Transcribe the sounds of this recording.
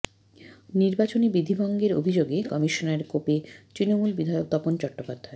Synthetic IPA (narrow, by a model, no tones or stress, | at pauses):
niɾbat͡ɕonibid̪ʱibʱɔŋɡeɾo̰bʱid͡ʑoɡekɔmiʃoneɾkopet̪ɾinomulbid̪ʱajok̚t̪ɔpont͡ɕɔk̚ʈːopad̪ʱːae